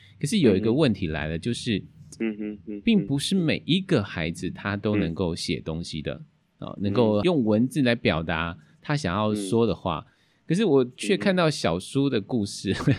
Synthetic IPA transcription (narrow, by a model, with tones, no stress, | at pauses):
kʰə˨˩ʂ̬ɻ̩˥˩˨jo˨˩ʊi˧˥ɡə˧wə˥˩nt̪ʰi˧˥la̰˧˥ɪlə˧t͡ɕjo˥˧ʊʂɻ̩˥˩ | pi˥˩ŋpu˧˥ʂɻ̩˥˩me˨˩ɪʔi˧˥ɡə˨xa˧˥ɪd͡zɹ̩˨t̪ʰa˥˦t̪o˥ʊnə˧˥ŋko˥˩ʊɕjɛ̰˨˩t̪o˥ŋɕḭ˨d̪ə̰˩ | ɑ̰˨˩nə˧˥ŋko˥˩ʊjʊ˥˩ŋwə˧˦nd͡zɹ̩˨la˧˥ɪpjɑ˨˩ʊt̪a˧˥˦ | t̪ʰa˥ɕ̬jɑ˨˩ŋjɑ˥˩ʊʂwɔ˥d̪ə˨xwa̰˥˩ | kʰə˨˩ʂ̬ɻ̩˥˩wɔ˨˩t͡ɕʰɥɛ˥˧kʰa˥˧nt̪ɑ˥˩ʊɕjɑ˨˩ʊʂu˥d̪ə˨ku˥˧ʂɻ̩˥˩